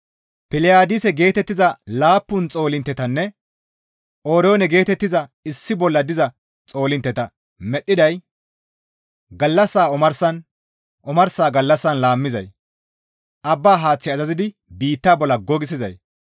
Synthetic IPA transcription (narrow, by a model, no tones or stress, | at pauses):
pɪlɪjaːd̪ɪsɛɡe̞ːt̪ɛt̪ːɪzɐlaːpːʊnt͡sʼo̞ːlɪnt̪ːɛt̪ɐnːɛ | ʔoːɾɛoːnɛɡe̞ːt̪ɛt̪ːɪzɐɪsːɪbɔlːɐd̪ɪzɐ | t͡sʼo̞ːlɪnt̪ːɛt̪ɐ | mɛɗːɪd̪ɐj | ɡɐlːɐsːaːɔmɐɾsɐn | ʔɔmɐɾsaːɡɐlːɐsːɐnlaːmːɪzɐ̰j | ʔɐbːaːɦaːt͡sːɪɐzɐzɪd̪ɪ | biːt̪ːaːbɔlːɐɡɔɡɪs̬ɪzɐj